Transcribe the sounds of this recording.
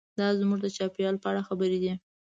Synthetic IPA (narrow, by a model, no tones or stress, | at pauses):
d̪ɑzmuʐd̪ət͡ʃɑpijɑlpəaɽaxabəɾed̪i